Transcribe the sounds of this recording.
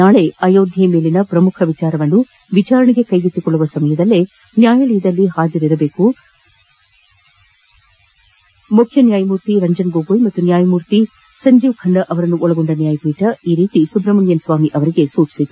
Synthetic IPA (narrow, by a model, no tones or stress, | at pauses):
naːɭe̞ɐjoːd̪ʱjɐjɐme̞ːlinɐpɾɐmukʰɐʋit͡ʃaːɾɐʋɐnːu | ʋit͡ʃaːɾɐɳɛɡe̞kɐjɡit̪ːikɔɭːuʋɐsɐmɐjɐd̪ɐlːe | njaːjɐɭijɐd̪ɐlːiɦaːd͡ʒɐɾiɾɐbe̞ːku | mukʰjɐnjaːjɐmuːɾt̪iɾɐɲd͡ʒɐnɡoːɡoːjmɐt̪ːunjaːjɐmuːɾt̪i | sɐɲd͡ʒiːʋkʰɐɳɖɐʔɐʋɐɾɐnːuʔɔɭɐɡoɳɖɐnjaːjɐpiːʈɐiːɾiːt̪isubɾɐmɐnjɐnsʋaːmiʔɐʋɐɾiɡe̞suːt͡ʃi̥sid̪u